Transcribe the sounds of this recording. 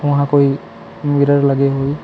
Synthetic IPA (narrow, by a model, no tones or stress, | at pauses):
ʊ̃ɦãkoj | miɾəɹlaɡɛɦoj